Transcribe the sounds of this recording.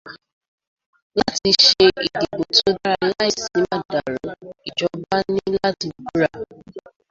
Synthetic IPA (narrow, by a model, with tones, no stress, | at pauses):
la˦ti˧ʃe˧i˨di˨bo˨to˦da˦ɾa˦˨˦la˦i˨si˨˦ma˦˨da˨ɾo˨i˨d͡ʒɔ˨ba˦ni˦la˦ti˨bu˦ɾa˦˨